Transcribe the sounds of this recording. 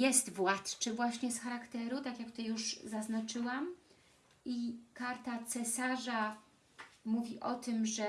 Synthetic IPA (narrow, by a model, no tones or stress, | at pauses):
jɛst̪vwat̪t͡ʂɘvwaɕɲɛsxaɾakt̪ɛɾut̪akʲjakt̪ɔjuʂzaznat͡ʂɘwam | ʔikaɾt̪at̪sɛsaʐa | muvʲiʔɔt̪ɘmʐɛ